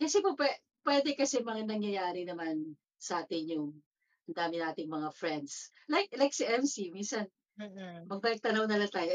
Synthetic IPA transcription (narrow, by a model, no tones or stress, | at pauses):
kɐsɛpopwɛ | pwɛd̪ɛkɐsɛmɐŋanɐŋjɐjaːɾɪnɐman | sɐʔaːt̪ɪnjʊŋ | ʔɐnd̪aːmɪnaːt̪ɪŋmɐŋafɹɛnd̪s | lajk̚lajk̚siʔɛmsiminsɐn | mɐɡ̚bɐk̚t̪ɐnɐwnɐlat̪aːjo